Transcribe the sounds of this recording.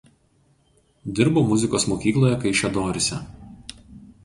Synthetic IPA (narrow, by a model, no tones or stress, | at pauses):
d̪ʲɪɾboːmʊzʲɪkoːsmoːkʲiːklˠoːjɛkɐɪʃʲɛd̪oːɾʲɪsʲɛ